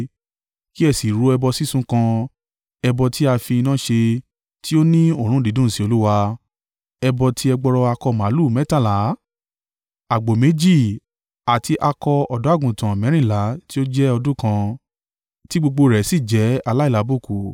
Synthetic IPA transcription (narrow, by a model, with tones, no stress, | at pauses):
ki˦ɛ˧˨si˨ɾo˧˦ɛ˧bɔ˧si˦sũ˧kã˧ | ɛ˧bɔ˧tʰi˦a˧fĩ˧i˧nã˦ʃe˧ | tʰi˦o˦nĩ˦o˦˨ɾ̃ũ˦˨di˨˦dũ˦˨si˨˦o˧lu˦wa˧ | ɛ˧bɔ˧tʰi˦ɛ˧ɡ͡bɔ˧ɾɔ˧a˧kɔ˧˨mã˨˦lu˦˨mɛ˦ta˦˨la˨˦ | a˨ɡ͡bo˨me˨˦d͡ʒi˦˨ | a˨tʰi˧ʔa˧kɔ˧ɔ˨dɔ˨˦a˦˨ɡũ˨tã˨mɛ̃˨˦ɾ̃ĩ˦˨la˨˦ti˦o˦d͡ʒɛ˦ɔ˧dũ˦kã˧ | ti˦ɡ͡bo˧ɡ͡bo˧ɾɛ˨˦si˦˨d͡ʒɛ˨˦a˧la˦i˦˨la˨˦bu˦˨ku˨